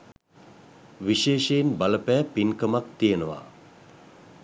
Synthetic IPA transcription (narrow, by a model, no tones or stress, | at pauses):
ʋiʃeːʃejinbaləpæːpinkəmak̚t̪ijənəʋa̰ː